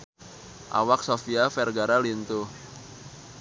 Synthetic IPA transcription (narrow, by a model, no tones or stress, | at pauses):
ʔa̰wak̚sofiafɛrɡaɾalint̪u